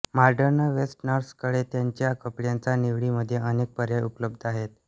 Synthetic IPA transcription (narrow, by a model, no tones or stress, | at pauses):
maɾɖəɾnəʋesʈnəɾskəɽet̪jaɲt͡ɕjakəpɽjant͡saniʋɽiːməd̪ʱːjeʔənek̚pəɾjaupləb̚d̪ʱaɦet̪̚